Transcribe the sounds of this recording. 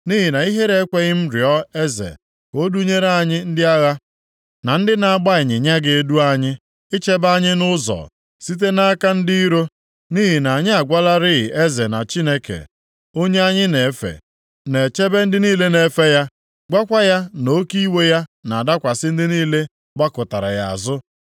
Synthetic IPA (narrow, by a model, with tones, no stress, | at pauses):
ni˦ɦi˨na˨i˦ɦe˦ɾe˦kʷe˦ɣɪ˦m̩˦ɾɪ˨ɔ˦e˦zḛ˨ | ko˦du˦ɲe˦ɾe˦a˦˨ɲɪ˦n̩˦dɪ˦a˦ɣa˦ | na˨n̩˦dɪ˦na˨a˨ɡ͡ba˦ɪ˨ɲɪ˨ɲa˦ɡe˨e˦du˦a˦ɲɪ˦ | ɪ˦t͡ʃe˦ba˦ɲɪ˦nʊ˦zɔ̰˨ | si˦t̬e˦na˦ka˦n̩˦dɪ˦i˦ɾo˦ | ni˦ɦi˨na˨ɲɪ˦a˨ɡʷa˦la˦ɾɪ˦˨e˦ze˨na˨t͡ʃi˦ne˦kḛ˨ | o˦ɲe˦a˦ɲɪ˦ne˨˦fḛ˨ | ne˨t͡ʃe˦be˦n̩˦dɪ˦niː˦le˦ne˨˦fe˦ja˦ | ɡ͡ba˦kʷa˦ja˦no˦ki˦we˦ja˦na˨da˦kʷa˨sɪ˦n̩˦dɪ˦niː˦le˦ | ɡ͡ba˦kʊ˨ta˨ɾa̰˨ja̰˨a̰˨zʊ˦